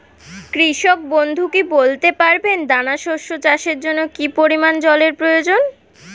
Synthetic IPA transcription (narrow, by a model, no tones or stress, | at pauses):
kɾiʃok̚bond̪ʱukibolt̪epaɾbend̪anaʃoʃot͡ɕaʃeɾd͡ʑonːokipoɾimand͡ʑɔleɾpɾojod͡ʑon